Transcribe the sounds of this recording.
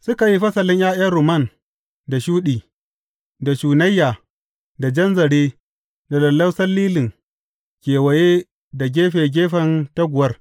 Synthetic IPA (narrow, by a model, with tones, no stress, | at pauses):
sʊ˦ka˨ji˦ɸɐ˦sɐ˨lɪ˦jaː˦j̰ɐ˦ɾʊ˨mɐ˦˨n | da˨ʃuː˦ɗiː˨ | da˨ʃuː˨nɐ˦jːaː˨ | da˨d͡ʒɐ˦nzɐ˨ɽeː˦ | da˨lɐ˨lːɐ˦wsɐ˦lːiː˦lɪ˨ŋ | kʲeː˨wɐ˨jeː˦ | da˨ɡʲeː˦ɸe˨ɡʲeː˦ɸɐ˦nta˦ɡʷʊ˨wɐ˦r